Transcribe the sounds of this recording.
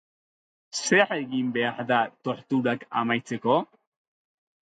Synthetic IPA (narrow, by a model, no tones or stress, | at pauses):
se̞ɾeɣimbe̞aɾðat̪o̞ɾt̪uɾakamajt͡se̞ko̞